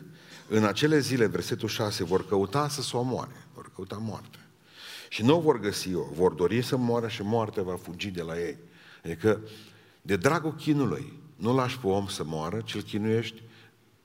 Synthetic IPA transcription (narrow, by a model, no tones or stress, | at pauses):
ɨnat͡ʃe̞le̞zile̞ve̞rse̞t̪ulʃase̞vo̞rkəut̪asəsomoa̰ɾevo̞̰rkəut̪amoa̰rt̪eḁ | ʃinuovo̞rɡəsio̞̰vo̞rd̪o̞ɾisəmoaɾəʃimoart̪avafud͡ʒid̪e̞laje̞j | ad̪ikə | d̪e̞d̪ɾaɡokʲinulṵjnulaʃʲpeo̞msəmoaɾət͡ʃilkʲinuje̞ʃt̪ʲ